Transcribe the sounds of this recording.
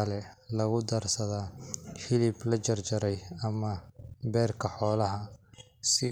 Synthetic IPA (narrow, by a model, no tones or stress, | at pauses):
ɐlɛ | lɐɣʊd̪ɐrsɐðafɪlɪblɐt͡ʃɐrd͡ʒɐɾɛjɐmɐbɛːrkʰɐħɔːlɐɦɐ | sɪ